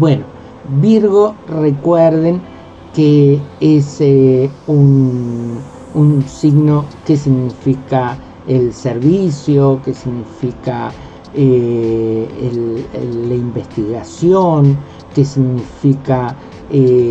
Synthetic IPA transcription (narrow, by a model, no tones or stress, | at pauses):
bweno | biɾɣorekweɾðeŋ | kees | un | unsiɣnokesiɣnifika | elseɾβisjokesiɣnifika | e | ellaimbest̪iɣasjoŋ | kesiɣnifika | e